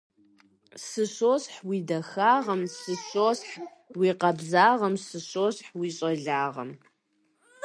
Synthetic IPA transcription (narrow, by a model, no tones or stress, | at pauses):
sɨɕoːsħwidɐxaːʁɐmsɨɕoːsħ | wiːqɐbzaːʁɐmsɨɕoːsħwiːɕʼɐɮaːʁɐ̰m